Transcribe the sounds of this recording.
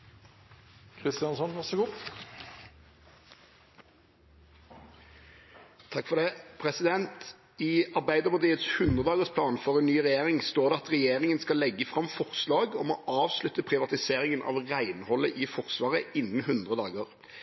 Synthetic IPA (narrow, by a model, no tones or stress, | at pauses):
kʰʁɪst̪ɪɑnsɔnʋæʁsəɡuː | t̪ʰɑkfɔʁd̪ɛpʰʁɛsɪd̪ɛnt̪ | iɑʁbæɪd̪əmət̪ʰiːət̪shʉnd̪ʁəd̪ɑːɡəʁspʰlɑːnfɔʁɛnːyːʁɛjeːʁɪŋst̪oːʁd̪ɛɑt̪ʁɛjeːʁɪŋənskɑlːɛɡːəfʁɑmfɔʁslɑːɡɔmɔːʔɑːʋslʉt̪ːəpʰʁɪʋɑt̪ɪseːʁɪŋənʔɑ̰ːʋʁæɪnhɔləʔɪfɔʁsʋɑːʁəɪnːən̩hɦʉnd̪ʁəd̪ɑːɡəʁ